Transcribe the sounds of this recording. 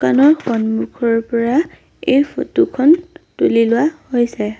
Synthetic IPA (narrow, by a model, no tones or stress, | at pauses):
kanɔɹxɔnmukʰɔɹpɔɹa | ejpʰo̰tukʰɔntulilʊahojsɛ